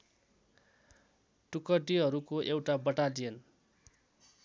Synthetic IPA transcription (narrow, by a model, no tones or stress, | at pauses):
ʈukʌʈiɦʌɾukoʔewʈabʌʈalijʌn